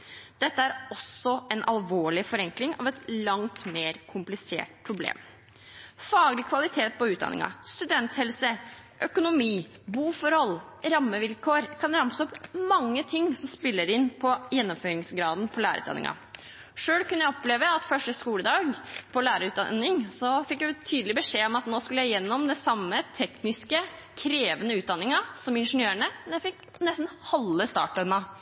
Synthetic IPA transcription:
d̪̥ɛt̪ːəæɾɔsɔɛnʔɑlʋoːɭɪfɔɾɛŋklɪŋɑ̰ʋɛt̪lɑŋt̪meːɾkʰʊmplɪsḛːʈ̚pʰɾʊblḛːm | fɑːɡlɪkʰʋɑlɪt̪ʰeːt̪̚pɔʉːt̪̚d̪ɑ̰nɪ̰ŋɑ̰st̪ʉd̪ɛnt̪hɛlsə | ʔœkʊnʊmiːbuːfɔɾhɔlɾɑmːəʋɪlkʰoːɾkʰɑnɾɑmsɔpmɑŋːət̪ʰɪŋsɔmspɪlːəɾɪnːpʰɔjɛnːɔmføːɾɪŋsɡɾɑːd̪npʰɔlæːɾə̰ʉ̰t̪ɑ̰nɪ̰ŋʔɑ̰ | ʂøːlkʉnːəjæɪɔpleːʋəɑt̪fœʂʈəskuːləd̪ɑːɡpʰɔlæːɾəʉːt̪̚d̪ɑ̰nːɪŋsɔfɪkːjæt̪ʰyːd̪əlɪbəʂeːɔmɑt̪noːskʉləjæɪjɛnːɔmd̪ɛsɑmːət̪ʰɛknɪskə | kʰɾeːʋənəʉːt̪d̪ɑnːɪŋɑsɔmɪnʂənjøːɾəɳəmɛnjæɪfɪk | nɛst̪n̩hɑlːəst̪ɑ̰ːʈœmɑ

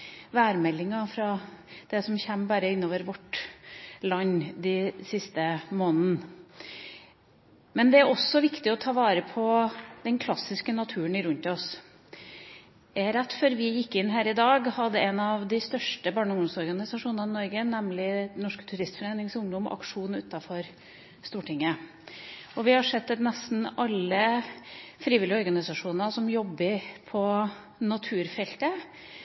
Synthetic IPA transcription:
ʋæːɾmɛlːɪŋɑfɾɑd̪̥ɛsɔmçɛmːbæːɾəɪnːoːʋəɾʋɔʈ | lɑɲːd̪ɪsɪst̪əmoːnn̩ | mɛnd̪ɛæɾɔsːɔʋɪkt̪ɪɔt̪ʰɑːʋɑːɾəpʰɔd̪ɛnkʰlɑsːɪskənɑt̪ʰʉːənɪɾʉnt̪ɔs | ææɾæt̪ːfœɾʋɪjɪkːɪnːɦæːɾɪd̪ɑːɡhɑd̪ːəɛnɑʋd̪ɪst̪œʂʈəbɑːɳʊŋd̪ɔmsɔɾɡɑnɪsɑʂuːnnɑɪnɔɾɡənɛmlɪnɔʂkt̪ʰʉɾɪst̪fɔɾeːnɪŋsʊŋd̪ɔmɔ̰ʔɑ̰kʂuːnʉːt̪ɑfɔɾ | st̪uːʈɪŋːə | ɔʋɪhɑʂɛt̪ːɛt̪nɛst̪n̩ɑlːə | fɾiːʋɪlːɪɔɾɡɑnɪsɑʂuːnnɑsɔmjɔbːəɾpʰɔ | nɑt̪ʰʉːɾfɛlt̪ə

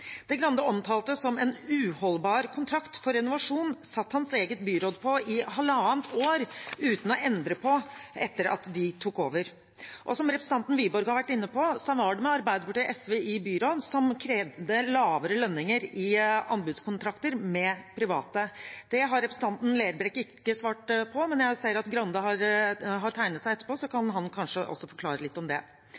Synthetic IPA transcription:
d̪̥ɛɡɾɑnd̪əɔmt̪ʰɑːlt̪əsɔmɛnʉːhɔlbɑːɾkʰʊnt̪ʰɾɑkt̪fɔɾɛnʊʋɑʂuːnsɑt̪ːhɑnseːɡət̪̚byːɾoːd̪pʰɔɪhɑlːəɑːnt̪oːɾʉːt̪n̩ɔʔɛnd̪ɾəpʰɔɛt̪ːəɾɑ̰t̪d̪ɪt̪ʰuːkoːʋəɾ | ʔɔsɔmɾɛpɾəs̩n̩t̪ɑnt̪n̩ʋyːbɔɾɡhɑɾʋæʈːɪnːəpɔsɔɔʋɑːɖəmɛɑɾbæɪd̪əpɑʈɛʔɛsʋeʔibyːɾoːd̪sɔmkʰɾeːʋd̪əlɑːʋəɾəlœnːɪŋəɾɪɑ̰nbʉːd̪skʰʊnt̪ʰɾɑkt̪əɾmɛpʰɾɪʋɑ̰ːt̪əd̪̥ɛɦɑɾːɛpɾəsn̩t̪ɑnt̪n̩læɪəɾbɾɛkːɪkːəsʋɑːʈpʰɔmɛnjæɪsæɪəɾɑt̪ɡɾɑnd̪ɑɦɑɾɦɑʈ̪ʰæɪnət̪sæɪɛt̪ːə̥ɾpʰoːsɔkʰɑnɦɑnkʰɑnʂəʔɔ̰sːɔfɔɾkʰlɑːɾəlɪt̪ːɔmd̪ɛ̰

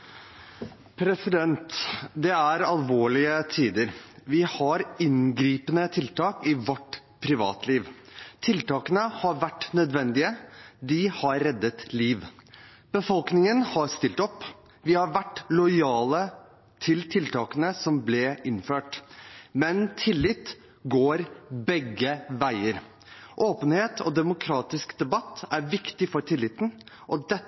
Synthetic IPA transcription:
pʰɾɛsɪd̪ɛnt̪d̪ɛæɾɑlʋoːɭɪət̪ʰiːd̪əɾʋɪhɑɾɪŋɡɾiːpənət̪ʰɪlt̪ɑːkɪʋɔʈ | pʰɾɪʋɑ̰ːt̪ʰliːʋt̪ʰɪlt̪ɑːkənəhɑɾʋæʈːnœd̪ʋɛnd̪ɪəd̪ɪhɑɾːɛd̪ːət̪liːʋ | b̥əfɔlknɪŋənhɑɾst̪ɪlt̪ɔpː | ʋɪhɑɾʋæʈːlɔʏɑːlə | t̪ʰɪlt̪ʰɪlt̪ʰɑːkənəsɔmblɛʔɪnføːʈmɛnt̪ʰɪlːɪt̪ | ɡoːɾbɛɡːəʋæɪəɾ | ʔoːpənheːt̪ʰɔ̰d̪ɛmʊkʰɾɑːt̪ɪskd̪ɛbɑt̪ːæɾʋɪkt̪ɪfɔɾʈʰɪlːɪt̪n̩ | ʔɔd̪ɛ

